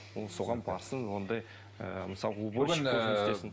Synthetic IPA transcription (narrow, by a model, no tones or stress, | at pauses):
woso̞ʁɑnbɑɾsəɴwo̞nd̪ɑj | ə̰məsɑlˠəuboɪnsesɪn